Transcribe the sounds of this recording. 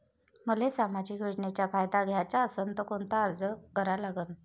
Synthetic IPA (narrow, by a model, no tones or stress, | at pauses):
məlesamad͡ʑikjoʈɳet͡ɕjafajd̪aɡʱjat͡ɕaəsənt̪əkont̪aəɾd͡zəkəɾalaɡən